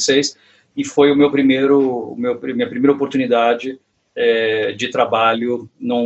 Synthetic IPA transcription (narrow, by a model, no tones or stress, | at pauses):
sejs | ɪfojʊmewpɾimejɾʊʊ̰mewpɾɐmĩɐpɾimejɾɐopoɾt̪unid̪ad͡ʒɪ | ɛd͡ʒɪt̪ɾabaʎʊnɐ̃